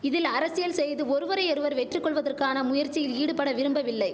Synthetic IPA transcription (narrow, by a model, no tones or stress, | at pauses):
ɪðɪlɐɾɐsɪjɐlsɛjðɯɔɾɯʋɐɾɐɪɔɾɯʋɐɾʋɛʈrɯkːɔɭʋɐðɐrkaːnɐmʊjɐɾt͡ʃːijɪliːɽɯpɐɽɐʋɪɾɯmbɐʋɪlːɐɪ